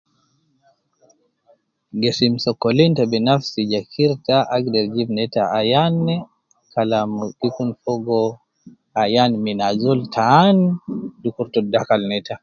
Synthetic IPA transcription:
ɡɛsimsɔkɔlintabinafsid͡ʒakʰiɾtaʔaɡdɛɾd͡ʒibnɛtaajanɛ | kalamukikunfɔɡɔ | ajanminazɔltʰaːnidukuɾtɔdakalnɛta

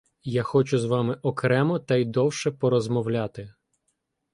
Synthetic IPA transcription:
jaxɔt͡ʃʊzʋɑmɪʔɔkɾɛmɔt̪ɐjd̪ɔwʃɛpɔɾɔzmɔwlʲat̪ɪ

